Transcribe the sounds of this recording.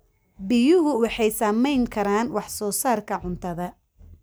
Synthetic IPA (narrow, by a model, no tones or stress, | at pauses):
bɪjʊɦʊwɑħɑjsɐmɛjŋkʰɐɾaːnwɑħsɔːsaːrkʰɐʕʊnt̪ʰɐðɐ